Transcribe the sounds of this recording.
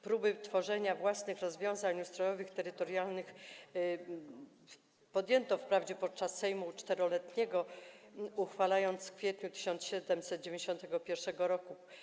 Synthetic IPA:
pɾubɘt̪fɔʐɛɲavwasnɘxɾɔzvʲjɔ̃w̃zaɲust̪ɾɔjɔvɘxt̪ɛɾɘt̪ɔɾjalnɘx | pɔd̪jɛnt̪ɔfpɾavd͡ʑɛpɔt̪̚t͡ʂasːɛjmut͡ʂt̪ɛɾɔlɛt̪ɲɛɡɔ | uxfalajɔnt̪sfkfʲjɛt̪ɲut̪ɘ̥ɕɔnt̪sɕɛd̪ɛmsɛt̪̚d͡ʑevʲẽɲd͡ʑeɕɔ̃nt̪ɛɡɔpʲjɛɾʂɛɡɔɾɔku

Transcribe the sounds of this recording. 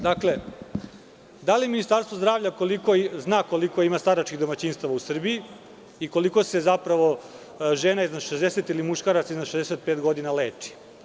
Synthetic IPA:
d̪akle̞ | d̪aliminist̪aɾst̪ʋozd̪ɾaːʋvʎako̞liko̞znaːko̞liko̞imast̪aɾat͡ʃkiɣd̪omat͡ɕinst̪aʋausr̩bii | iko̞liko̞se̞zapɾaʋo̞ | ʒeːnaiznad̪ʃezd̪eset̪ilimuʃkaɾat̪saiznaʃezd̪eset̪̚pet̪ɡo̞d̪inale̞ːt͡ʃi̥

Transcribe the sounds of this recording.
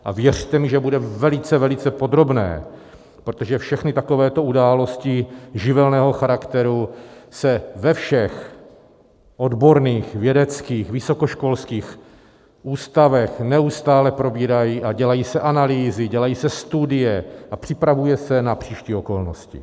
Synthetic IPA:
ʔa̰vjɛr̝̥t̪ɛmɪʒɛbudɛvɛlɪt͡sɛvɛlɪt͡sɛpo̞d̪ɾo̞bnɛ̰ː | pɾot̪oʒɛfʃɛxnɪt̪ako̞vɛːt̪o̞udaːlo̞scɪʒɪvɛlnɛːɦo̞xaɾakt̪ɛɾusɛvɛfʃɛx | ʔo̞d̪bo̞ɾniːxvjɛdɛt͡skiːxvɪso̞koʃko̞lskiːx | ʔuːst̪avɛxnɛust̪aːlɛpɾo̞biːɾajiːʔaɟɛlajiːsɛʔanaliːzɪɟɛlajiːsɛst̪udɪjɛʔapr̥ɪpɾavujɛsɛnapr̥iːʃciːo̞ko̞lnoscɪ̰

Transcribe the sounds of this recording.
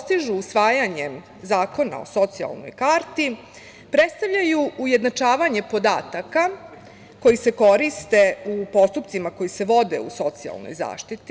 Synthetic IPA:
st̪iʒuːsʋaːjaɲem | zaːko̞na̰o̞̰so̞t̪sia̰lˠno̞̰jkaːɾt̪i | pɾe̞t̪st̪aʋʎajuujed̪nat͡ʂaːʋaɲe̞po̞d̪aːt̪aka | ko̞jise̞ko̞ɾist̪e̞upo̞st̪upt̪simako̞jise̞ʋo̞d̪ḛṵso̞t̪sia̰lˠno̰jza̰ːʃt̪it̪i

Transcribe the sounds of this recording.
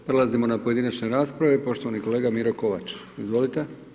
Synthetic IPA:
pɾe̞lˠazimo̞napo̞je̞d̪inat͡ɕneɾaːspɾaʋepo̞ʃt̪o̞ʋaniko̞leːɡamiɾo̞ko̞ʋa̰t͡ʃ | izʋo̞lit̪e

